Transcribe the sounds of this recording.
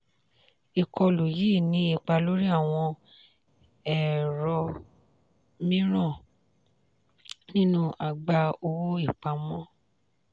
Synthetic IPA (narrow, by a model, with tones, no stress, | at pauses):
i˨kʰɔ˧lo˨ji˨˦˨nĩ˨˦i˧˨k͡pa˧lo˦ɾi˦a˦˨w̃ɔ̃˧ | ɛ˦˨ɾɔ˧ | mĩ˦ɾ̃ɔ̃˦˨ | nĩ˦nũ˧ʔa˨ɡ͡ba˧o˧wo˦i˦˨k͡pa˧mɔ̃˦